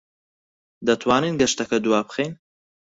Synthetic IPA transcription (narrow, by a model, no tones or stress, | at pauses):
d̪ɐt̪ʰwaːniːnɡɐʃt̪ɐkʰɐd̪uwaːpxeːn